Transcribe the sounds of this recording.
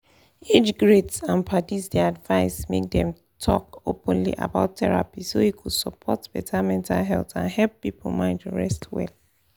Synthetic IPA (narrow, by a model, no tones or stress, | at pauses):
ed͡ʒɡɹetsãnpʰatisdɛadvaɪsmek̚dɛ̃m | tʰɔkopə̃nlḭʔa̰baʊtʰːɛɹa̰pisoikʰud̥səpʰɔtb̥ɛtʰamɛ̃ntalɦɛltã̰nhɛlpːipʰolmãɪ̃ntuɹɛstʰwɛ̰l